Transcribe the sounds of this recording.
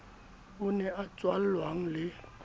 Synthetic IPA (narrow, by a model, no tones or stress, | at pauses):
ʊnɛat͡sʼwal̩lwaŋ̩lɪ